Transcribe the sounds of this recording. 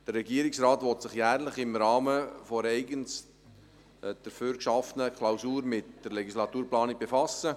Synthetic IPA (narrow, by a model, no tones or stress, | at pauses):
d̥ərːɛɡiəɾɪksrɑːt̪ʋɔt̪sɪχjæːɾləχɪmɾɑːməfɔɾɛɪɡəns | d̥əɾføːɾkʃɑfənəkʰlaʊsuːɾmɪtd̥əɾlɛɡislɑt̪uːɾplɑːnɪk̚b̥efɑsə